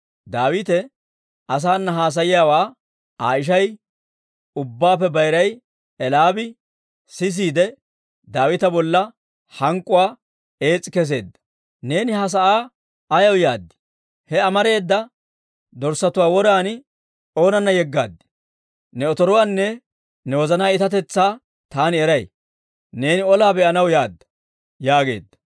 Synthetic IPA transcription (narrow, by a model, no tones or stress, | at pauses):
d̪aːwɪt̪ɛ | ʔɐs̬aːnːɐɦaːs̬ɐjɪjaːwaː | aːɪʃ̬ɐj | ʊbːaːpːɛbɐjɾɐj | ɛlaːbɪ | sɪs̬iːd̪ɛ | d̪aːwɪt̪ɐbɔlːɐ | hɐŋkʼːʊwaː | e̞ːt͡sʼːɪkɛs̬e̞ːd̪ːɐ̥ | ne̞ːnɪhɐs̬ɐʔaː | ɐjɐwjaːd̪ːɪ̥ | hɛɐmɐɾe̞ːd̪ːɐ | d̪ɔɾsɐt̪ʊwaːwɔɾaːnɪ | o̞ːnɐnːɐjɛɡːa̰ːd̪ːɪ̥ | nɛɔt̪ɔɾɔwaːnːɛ | nɛwɔzɐnaːɪt̪ɐt̪̬ɛt͡sːaː | t̪aːnɪɛɾɐj | ne̞ːnɪɔlaːbɛʔɐnɐwjaːd̪ːɐ̥ | jaːɡe̞̰ːd̪ːɐ̥